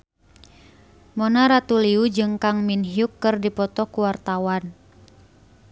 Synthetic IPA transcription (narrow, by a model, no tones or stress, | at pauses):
mɔnaɾat̪uliud͡ʒɨŋkaŋminɦiukːɨrdipɔt̪ɔkuwart̪awan